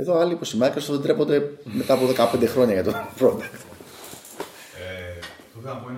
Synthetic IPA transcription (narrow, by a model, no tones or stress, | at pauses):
e̞ðoɐliːpo̞simenkɐst̪oðend̪ɾepo̞nd̪e̞me̞t̪ɐːpo̞ðe̞kɐpe̞nd̪e̞xɾo̞ɲɐʝɐt̪onfɾond̪ɐkt̪